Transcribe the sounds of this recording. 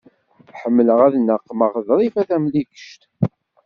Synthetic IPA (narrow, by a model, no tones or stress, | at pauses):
ħəmːələʁæðnəqːməʁðɾˤifæθæmlikə̥ʃt̪